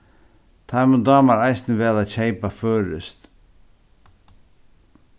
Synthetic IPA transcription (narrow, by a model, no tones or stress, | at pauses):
t̪ʰaməd̪ɑːmaɾajsnəʋɛːðaçeɪpaføːɾə̰st̪